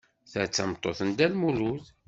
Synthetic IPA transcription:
θət͡sːəmt̪ˤːoθənd̪ælmuluð

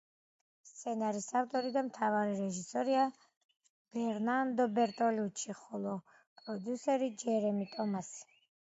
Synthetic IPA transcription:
st̪sʰɛnaɾisaft̪ʼɔɾid̪amt̪ʰavaɾiɾɛʒisɔɾia | b̥ɛɾnand̪ɔbɛɾt̪ʼɔlut͡ʃʰiχɔlˠɔ | pʼɾɔd̪jusɛɾid͡ʒɛɾɛmit̪ʼɔmasi̥

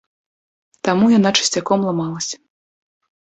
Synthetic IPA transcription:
t̪amujanat͡ʂɨ̥sʲt͡sʲakɔmlˠamalˠɐsʲɐ̥

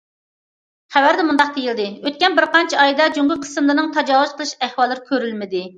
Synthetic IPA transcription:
χæwæɾd̪ɛmund̪ɑq̚d̪ejild̪ɪøt̪̚kʲɛnbɪɾqɑnt͡ʃʰiɑjd̪ɑd͡ʒoŋɡʲʊlqʰə̥sɨmlˠɨnɨŋt̪ʰɑd͡ʒɑːwuzqʰəlˠɨʃæhwɑlˠːɨɾɪkʲʰøɾylmɪd̪ɪ

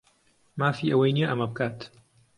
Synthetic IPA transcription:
maːfiːʔɐwejnijeʔɐmɐbɨkʰaːt̪

